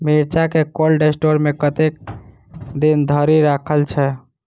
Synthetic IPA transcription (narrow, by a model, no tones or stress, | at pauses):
miɾt͡ʃakekolɖesʈoɾmekət̪ek̚ | d̪ind̪ʱəɾiɾakʰəlt͡ʃʰɛ